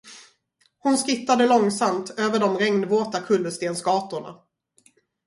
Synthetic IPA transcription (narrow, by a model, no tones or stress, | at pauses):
hʊnskɪt̪ːad̪əlɔŋsamt̪ʰøːvəɖɔmɾɛŋnvoːt̪akʰɵlːɵst̪eːnsɡɑːt̪ʊɳa̰